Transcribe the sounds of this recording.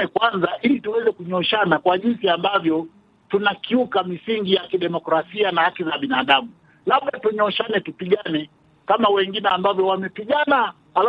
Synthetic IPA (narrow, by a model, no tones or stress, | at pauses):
ɛkwanzaʔilituwɛzɛkuɲɔʃanakwaʄinsiambavjɔ | tunakiukamisiŋɡijakiɗɛmɔkɾasianahakizaɓinaɗamu | laɓɗatuɲɔʃanɛtupiɠanɛ | kamawɛŋɡinɛambavjɔwamɛpiɠana | ala